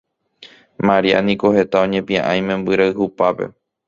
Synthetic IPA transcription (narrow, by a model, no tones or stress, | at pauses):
maɾia̰nĩko̞he̞t̪aõ̞ɲẽpĩãʔãj̃mẽ̞mbɨɾaɨhupape̞̰